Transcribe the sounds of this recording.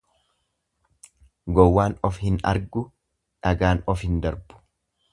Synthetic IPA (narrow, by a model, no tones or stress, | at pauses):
ɡɔwːaːnɔfhɪnɐ̰ɾɡʊ | ᶑɐɡaːnɔfhɪnd̪ɐɾbʊ̥